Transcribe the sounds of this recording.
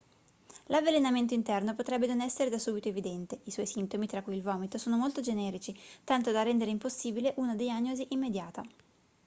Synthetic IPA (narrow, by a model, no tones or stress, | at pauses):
lavːelenament̪̬oint̪ɛrnopot̪ɾɛbːenonɛsːeɾed̪asːuːbit̪oevid̪ɛnt̪eiswɔjsint̪omit̪ɾakːujilvɔːmit̪osoːnomolt̪od͡ʒenɛːɾit͡ʃit̪ant̪od̪arːɛnd̪eɾeimposːiːbileʔunad̪ejaɲːoziʔimːed̪jaːt̪a